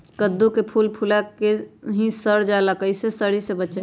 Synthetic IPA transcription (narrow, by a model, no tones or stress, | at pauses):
kəd̪ːukepʰuːlpʰulakeɦĩsəɾd͡ʒalakəɪsesəɾisebət͡ʃe